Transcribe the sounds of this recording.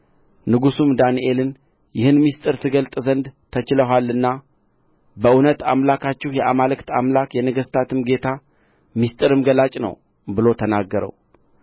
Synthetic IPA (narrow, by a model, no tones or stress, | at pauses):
nɨɡusumd̪aniʔe̞lɨn | jɪhɨnmist̪ʼɨɾt̪ʰɨɡəlt̪ʼzənd̪t̪ʰət͡ʃɪləɦʷalːɨnːa | bəʔunət̪a̰mlakʰat͡ʃːɪhjɛʔamalɨkt̪ʰamlakjɛnəɡəst̪ʰat̪ʰɨmɡe̞t̪ʰa | mist̪ʼɨɾɨmɡəlat͡ʃʼnə̰w | bɨlo̞t̪ʰənaɡːəɾə̰w